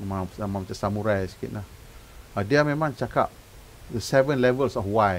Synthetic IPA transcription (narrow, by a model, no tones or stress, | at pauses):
maamãmat͡ʃasamuɾajsi̥kḭʔ̚lah | adiamemãŋt͡ʃaka̰p̚ | dəsɛvə̃nlɛvəlsɔfwaj